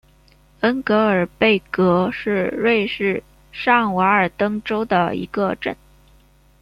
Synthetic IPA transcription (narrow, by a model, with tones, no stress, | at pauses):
ə˥nkɤ˧˥ə˞˨˩pe˥˩ɪkɤ˧˥ʂɻ̩˥˧ɻwe˥˧ɪʂɻ̩˥˩ | ʂɑ˥˩ŋwa˧˥ə˞˨˩t̪ɤ˥ŋʈ͡ʂo˥ʊd̪ə̰˨˩ḭ˧˥ɡə˧ʈ͡ʂə˥˩n